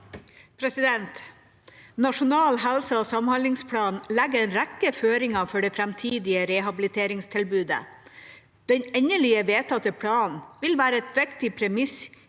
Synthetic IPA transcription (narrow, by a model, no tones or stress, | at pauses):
pʰɾɛsɪd̪ɛnt̪ | nɑʂʊnɑːlɦælsəoːsɑmhɑnlɪŋspʰɽɑːnlɛɡəɾɛnɾækəføːɾɪŋɑfɔɖɛːfɾæmt̪ʰiːd̪ɪəɾɛɦɑbɪlɪt̪ʰeːɾɪŋst̪ʰɪlbʉːd̪ə̰ | d̪̥ɛnɛɲəɭiːəʋeːt̪ʰɑt̪əpʰɽɑːnʋɪlʋæːɾəɛt̪ʋɛkt̪ɪpʰɾɛmɪs